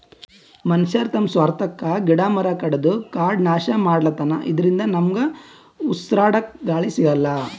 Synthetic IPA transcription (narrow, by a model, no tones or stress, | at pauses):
mɐnʃɐɾt̪ʰɐmsʋaːɾt̪ɐkːɐɡiɽaːmɐɾɐkɐɽɐd̪ukaːɾɖnaːʃɐmaːɽɐlɐt̪ɐnɐ̰ʔid̪ɐɾind̪ɐnɐmɡɐ | usɾaːɽɐkɡaːɭisiɡɐlːɐ